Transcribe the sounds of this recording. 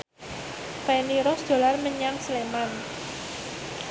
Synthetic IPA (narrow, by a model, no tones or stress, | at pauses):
pɛniɾɔsd̪̥o̤larməɲaŋsleman